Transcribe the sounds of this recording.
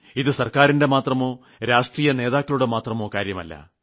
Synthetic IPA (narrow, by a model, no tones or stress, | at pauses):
iðɨsɐrkaːɾinde̞maːt̪rɐmo̞ː | ɾaːʂʈriːjɐneːðaːkːɐɭuɽe̞maːt̪rɐmo̞ːkaːɾjɐmɐ̰lːɐ̰